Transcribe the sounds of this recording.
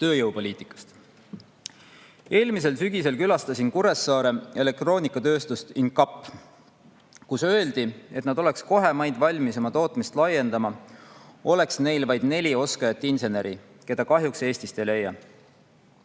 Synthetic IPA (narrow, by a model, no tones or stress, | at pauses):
t̪ø̞ːjɤwpo̞lʲiːt̪i̥kːˑɑ̥st̪ | e̞ːlmis̬e̞lsyɡ̥ise̞lkylɑst̪ɑsinkuɾe̞sːɑːɾe̞e̞le̞k̚t̪ro̞ːnikːˑɑt̪ø̞ːst̪ust̪inkɑpːˑ | kusø̞e̞ld̪̥ie̞t̪nɑd̪o̞le̞ksko̞ɦe̞mɑjd̪̥vɑlʲmiso̞mɑt̪o̞ːt̪ˑmist̪lɑje̞nd̪̥ɑmɑ | o̞le̞ksne̞jlvɑjd̪̥ne̞lʲio̞skɑjɑt̪ːˑinse̞ne̞ɾi | ke̞d̪̥ɑkɑɦjukse̞ːsʲt̪ist̪e̞jle̞jːɑ